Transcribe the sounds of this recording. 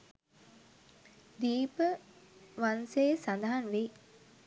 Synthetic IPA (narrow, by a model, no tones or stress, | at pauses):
d̪iːpəʋansejsand̪ɐɦanʋe